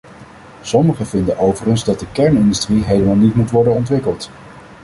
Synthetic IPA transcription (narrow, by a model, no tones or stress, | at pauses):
sɔməχəvɪndənʔowvəχənzdɑt̚dəkɛɹnɪndəstriɦejləmaːlˠnitmutʋɔɹdənɔntʋɪkəlˠt